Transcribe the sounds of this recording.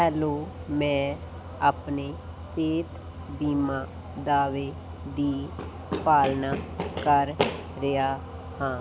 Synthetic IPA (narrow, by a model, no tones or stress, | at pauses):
ɦɛːloːmɛ̃ː | əpneː | seːt̪ʰ | biːmaː | d̪aːʋeː | d̪iː | paːlnaːkəɾː | ɪjaː | hãː